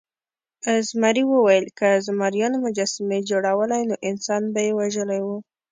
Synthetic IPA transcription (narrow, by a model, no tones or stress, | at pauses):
azmaɾiwəwajəlkəzmaɾjɑnomʊd͡ʒɑsɪmed͡ʒoɽawəlajnoʔɪnsɑnbajewaʒəlajwu